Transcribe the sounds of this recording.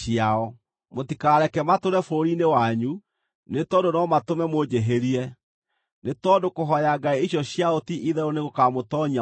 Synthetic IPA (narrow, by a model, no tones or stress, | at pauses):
jaɔ | motikaːɾɛkɛmatoɾɛfoɾinewaɲu | netɔdonɔmatomɛmod͡ʑeɦeɾiɛ | netɔːdokoɦɔjaɡaiiɕjɔɕjaotiʔiðɛoneɣokamotɔɲia